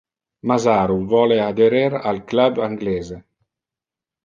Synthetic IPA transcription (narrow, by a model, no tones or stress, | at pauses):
mazaːɾuvɔlead̪eɾeɾa̰lklabaŋɡlɛːze